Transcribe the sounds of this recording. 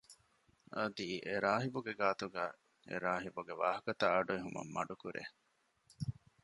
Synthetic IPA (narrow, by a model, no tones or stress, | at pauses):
ɐd̪iʔeɾaːɦibuɡeɡaːt̪uɡæː | ḛɾaːɦibuɡeʋaːɦɐkɐt̪aːɐɖueɦumɐ̰mːɐɖukuɾʔḛ